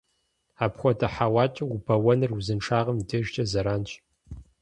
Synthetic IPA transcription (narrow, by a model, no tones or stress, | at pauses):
aːpxʷɔtʰɐħawaːt͡ʃʼɐubʰɐwɐnɨruzɨnʈ͡ʂʰaːʁɐmdɨʒt͡ʃʼɐzɐɾaːnt͡ʃʼ